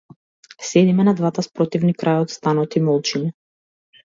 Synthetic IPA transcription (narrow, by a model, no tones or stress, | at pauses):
sɛd̪imɛnad̪vat̪aspɾɔt̪ivnikɾʔajɔt̪st̪anɔt̪imɔlˠt͡ʃina